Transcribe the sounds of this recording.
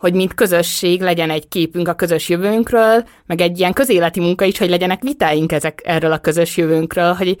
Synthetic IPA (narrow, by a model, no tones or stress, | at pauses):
ho̞ɟmint̪kø̞zø̞ʃːeːɡlɛɟɛnɛɟkeːpyŋkɒkø̞zø̞ʃjøvøːŋkrøːl | mɛɡɛɟːijɛŋkø̞zeːlɛt̪imuŋkɒiʃho̞ɟlɛɟɛnɛkʋit̪aːjiŋkɛzɛkɛrːølɒkø̞zø̞ʃjøvøːŋkrøːlɦo̞ɟ